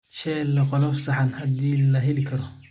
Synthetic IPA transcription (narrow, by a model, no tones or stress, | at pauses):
ʃɛlːɛqɔlɔfsɐħɑnhɐd̪iːlɐɦɛlɪkʰɐɾɔ